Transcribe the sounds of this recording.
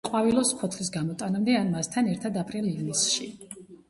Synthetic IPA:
qʼwavilɔsχʰɔt̪ʰlisɡamɔt̪ʼanamd̪ɛanmast̪ʰanɛɾt̪ʰad̪apʼɾilivnisʃi

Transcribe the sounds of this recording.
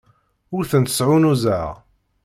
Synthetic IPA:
ʊɾθənt̪ə̥sʕunuzəʁ

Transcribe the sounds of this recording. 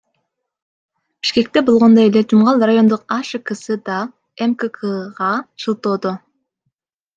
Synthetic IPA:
b̥iʃke̞k̚t̪e̞bolˠʁo̞nd̪oelet̪ʰymʁɑlˠrajo̞nd̪uqɑʃɯkɯsɯd̪ɑ | emkəkʰəʁɑt͡ʃʰɯlˠt̪oːd̪o

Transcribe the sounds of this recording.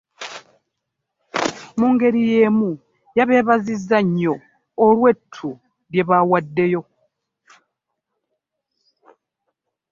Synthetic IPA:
muŋɡe̞ɾije̞mu | jaβe̞ːβazizːaɲːo̞ː | lwe̞tʰːu | ɾje̞βawadːe̞jo̞

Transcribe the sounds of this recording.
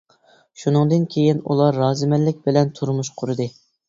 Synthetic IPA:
ʃunɨŋd̪ɨnkʲʰejinṵlˠɑɾːɑːzɨmɛllɪkʲbɪlɛnt̪ʰuɾmuʃqʰʊɾɨd̪ɨ

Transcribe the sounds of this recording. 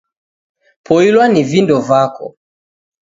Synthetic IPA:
pʰɔilwanivindɔvakʰɔ̰

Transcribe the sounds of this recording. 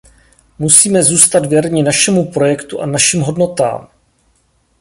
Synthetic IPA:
musiːmɛzuːst̪ad̪vjɛɾɲɪnaʃɛmupɾo̞jɛkt̪uʔanaʃimɦo̞dno̞t̪a̰ːm

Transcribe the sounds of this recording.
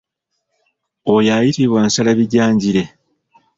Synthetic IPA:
ojaːjitiβwaːnsalaβiɟaːɲɟiɾe̞

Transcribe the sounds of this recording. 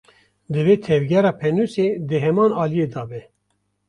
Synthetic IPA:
d̪ɨveːt̪ʰɛvɡɛɾɑːpʰɛnuːseːd̪ɨɦɛmɑːnɑːlijeːd̪ɑːbɛ

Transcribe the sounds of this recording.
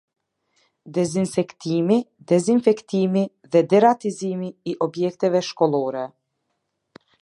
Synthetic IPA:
d̪ɛzinsɛkt̪imi | d̪ɛzinfɛkt̪imi | ðɛd̪ɛɾat̪izimiːʔɔbjɛk̚t̪ɛvɛʃkɔlˠɔɾɛ

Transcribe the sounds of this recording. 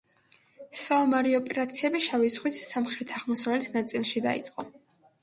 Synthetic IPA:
saumaɾiɔpʼɛɾat̪sʰiɛbiʃavizʁwisːamχɾɛt̪ʰaʁmɔsavlɛt̪ʰnat̪sʼilˠʃid̪a̰ḭt̪sʼqʼɔ

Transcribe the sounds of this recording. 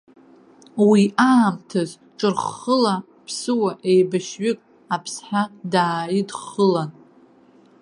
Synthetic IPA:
wiaːmtʰɨz | ʈ͡ʂʼɨrχəla | pʰsɨwaʔejbaʃɥɪkʼ | apʰsħᶣadaːidχəlan

